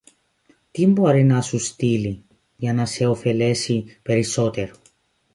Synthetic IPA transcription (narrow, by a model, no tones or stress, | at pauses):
t̪imbo̞ɾinɐsust̪ili | ʝɐnɐse̞o̞fe̞le̞sipe̞ɾiso̞t̪e̞ɾo